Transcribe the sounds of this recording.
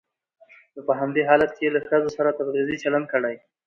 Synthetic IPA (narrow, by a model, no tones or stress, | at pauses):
nəpəɦamd̪eɦɑlat̪̚keelaxəzosaɾat̪ab̪ɾizit͡ʃaland̪̚kəɽaj